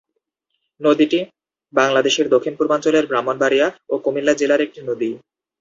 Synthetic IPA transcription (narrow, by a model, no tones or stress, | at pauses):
nod̪iʈi | baŋlad̪eʃeɾd̪okʰːinpuɾbant͡ɕoleɾbɾamːonbaɾiaokomilːad͡ʑelaɾek̚ʈinod̪i